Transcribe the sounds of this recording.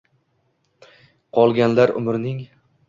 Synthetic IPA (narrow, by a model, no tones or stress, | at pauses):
qʰɒlˠɡʲanlaɾʊ̰mɾnɪŋ